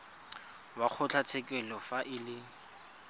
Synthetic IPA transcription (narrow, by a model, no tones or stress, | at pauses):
wak͡xʰʊt͡ɬʰat͡sʰɛkʼɛlɔfaʔɪlɪ